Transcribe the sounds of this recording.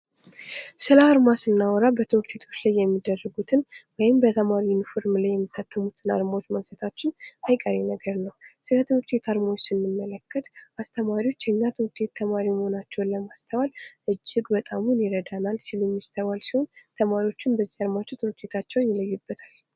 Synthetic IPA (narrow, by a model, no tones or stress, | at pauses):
sɨlaːɾmasɨnːawɔɾabət̪ʰɨwɾt̪ʰe̞t̪ʰo̞t͡ʃːlajːɛmːid̪ərːəɡut̪ʰɨnwɔjɪmbət̪ʰəmaɾiɪnfo̞ɾmlajːɛmːit̪ʰːat̪ʰːəmut̪ʰɨna̰ɾmawot͡ʃːməɡsət̪ʰat͡ʃːɪnajkʼəɾenəɡəɾnəwsɨlət̪ʰɨnuɾt̪ʰe̞t̪ʰaɾmawot͡ʃːsɨnːɨmːələkːət̪ʔast̪ʰəmaɾiwo̞t͡ʃːjɛɲːat̪ʰɨwɾt̪ʰe̞t̪ʰːəmaɾiməho̞nat͡ʃːɛwnləmast̪ʰəβalʔɨd͡ʒːɪɡbət̪ʼamunjɪɾəd̪analsilumjɪst̪ʰəβalsiho̞nt̪ʰəmaɾio̞t͡ʃːɪnbəzːihad̪mat͡ʃːɛt̪ut̪ʰet̪ʰat͡ʃːɛwnjɪləjːubːət̪ʰal